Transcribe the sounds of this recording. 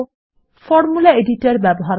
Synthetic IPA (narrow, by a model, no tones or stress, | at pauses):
fɔɾmulaeɖiʈeɾbɛboɦaɾ